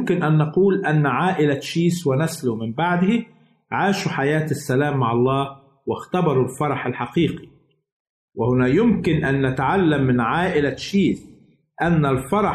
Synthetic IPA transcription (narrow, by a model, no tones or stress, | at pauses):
kɪnʔænːɑquːlʔænːʕaːʔɪlaʃiːswɪnæslʊmɪmbaʕd̪hɪ | ʕaːʃuħajaːt̪ɪsːælæːmːaʕɑlˤːɑː | wɪxt̪ɑbɑɾˤulfɑɾˤɑħalħɑqiːqi̥ | wɪhʊnæːjʊmkɪnʔænːæt̪aʕalːamːɪnʕaːʔɪlaʃiːs | ʔænːælfɑɾˤɑ